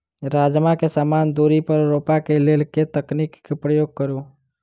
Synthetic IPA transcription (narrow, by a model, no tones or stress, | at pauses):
ɾad͡ʒmakesaːmand̪uɾipəɾːopakelelket̪əknikːepɾəjoɡ̚kəɾu